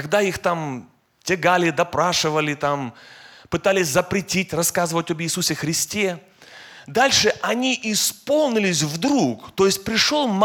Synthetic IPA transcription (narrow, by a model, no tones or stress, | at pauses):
ɐɡ̚d̪aixt̪am | tʲɪɡalʲɪd̪ɐpɾaʂɨvəlʲɪt̪ampɨt̪alʲɪsʲzəpɾʲɪtʲitʲrɐskazɨvətʲobjɪːsusʲɪxɾʲɪsʲtʲe | d̪alʲʂɨʔɐnʲiʔɪspo̞lˠnʲɪlʲɪsʲvd̪ɾukt̪o̞jɪsʲt̚ʲpɾʲɪʂolˠm